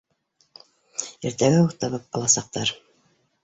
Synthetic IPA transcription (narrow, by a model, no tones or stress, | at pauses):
ɘɾt̪æɡæuɾt̪ɑβɤp̚ɑlˠɑsɑq̚t̪ɑɾ